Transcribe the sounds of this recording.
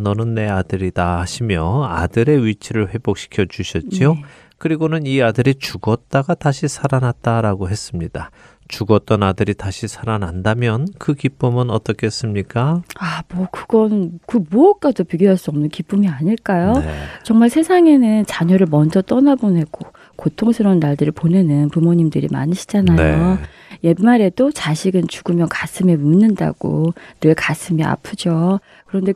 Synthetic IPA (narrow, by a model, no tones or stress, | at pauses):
nʌnɯnːe̞adɯɾidaaɕʰimjʌa̰dɯɾe̞ɥit͡ɕʰiɾɯɭɸwe̞bok̚ɕ͈ʰi̥kʰjʌd͡ʑuɕʰʌt̚t͡ɕ͈io | kɯɾiɡonɯniadɯɾit͡ɕuɡʌt̚t͈aɡataɕʰisʰaɾanat̚t͈aɾaɡoɦe̞s͈ɯmɲid̥a | t͡ɕuɡʌt̚t͈ʌnadɯɾitaɕʰisʰaɾanandamjʌnkɯkip͈ɯmɯnʌt͈ʌkʰes͈ɯmɲik͈aamwʌkɯɡʌnkɯmoʌk͈adopiɡjoɦaɭs͈uʌmnɯnkip͈umiaɲiɭk͈ajot͡ɕʌŋmaɭsʰe̞sʰaŋe̞nɯnt͡ɕaɲʌɾɯɭmʌnd͡ʑʌt͈ʌnabone̞ɡ̥o | kotʰoŋsʰɯɾʌnːaɭdɯɾɯɭpone̞nɯnpumoɲimdɯɾḭma̰ɲiɕʰi̥d͡ʑanajo | je̞mːaɾe̞dot͡ɕaɕʰiɡɯnt͡ɕuɡɯmjʌnkas͈ʰɯme̞munːɯnda̰ɡ̥o̰nɯɭkas͈ʰɯmia̰pʰɯd͡ʑo | kɯɾʌnde̞